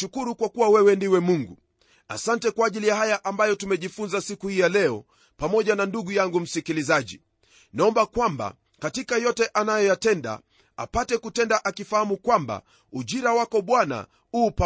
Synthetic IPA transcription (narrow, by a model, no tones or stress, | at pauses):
ukuɾukwakuwawɛwɛndiwɛmuŋɡu | a̰santɛkwaːʄilijahajaʔambajɔtumɛʄifunzasikuhijalɛɔ | pamɔʄananduɠujaŋɡum̩sikilizaʄḭ | naɔmbakwamba̰ | katikajɔtɛʔanajɔjatɛnda̰ | a̰patɛkutɛndaʔakifahamukwamba̰ | uʄiɾawakɔɓwana̰ | uːpa